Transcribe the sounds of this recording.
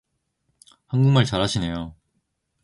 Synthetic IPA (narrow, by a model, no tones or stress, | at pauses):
hanɡuŋmaɭt͡ɕaɾɦaɕʰine̞jo